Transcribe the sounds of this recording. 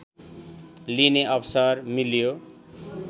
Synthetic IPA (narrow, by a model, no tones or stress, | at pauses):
lineʌbsʌrmiljo